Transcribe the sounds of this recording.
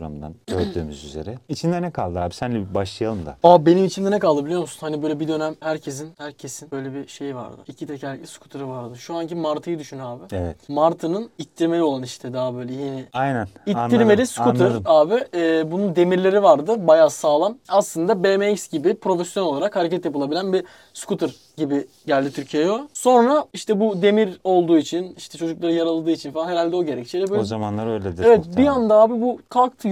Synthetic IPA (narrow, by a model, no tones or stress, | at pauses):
ɾa̰md̪a̰nɟøɾd̪y̰ːmyzyze̞̰ɾɛit͡ʃʰind̪ɛnɛkʰalˠd̪ɯaːbisænlʲɛbaʃlˠɯjalˠɯmd̪a̰abenimit͡ʃʰind̪ɛnɛkalˠd̪ɯbilʲijomsunhanibø̞jlʲɛbid̪ø̞næmhæɾcʰe̞s̬inhæɾcʰe̞sinbø̞jlʲebiʃe̞jva̰ɾd̪ɯ̰icʰit̪ʰecæɾʲcɛskʰu̥t̪ʰɯɾɯvaɾd̪ɯʃuancimaɾt̪ʰɯjɯd̪yʃynyaːbɪevɛt̪maɾt̪ʰɯnɯnit̪ʰːiɾme̞lʲio̞lˠaniʃt̪ʰɛd̪abø̞jlʲɛjiːnɛajnæniːiɾmelʲiskunɯɾaːbɪɛːbunund̪e̞miɾlʲe̞ɾivaɾd̪ɯbajasaːlˠamaslˠɯnd̪abemecsɟibipʰɾo̞fɛsjono̞lˠaɾakhaɾecʰæt̪japɯlˠabilʲænbi | skut̪ʰɯɾ | ɟibi | ɟælʲd̪it̪ʰyɾcʰijɛjoso̞nɾaiʃt̪ʰɛbud̪e̞miɾo̞lˠd̪uːit͡ʃʰiniʃt̪ʰɛt͡ʃʰo̞d͡ʒuklˠaɾɯjaɾalˠad̪ɯːit͡ʃʰinfalanɦeɾalʲd̪ɛoɟe̞ɾɛct͡ʃʰiɾɛøzamanlˠaɾøjlʲed̪evɛt̪̚biand̪aaːbibukʰalˠk̚t̪ʰɯ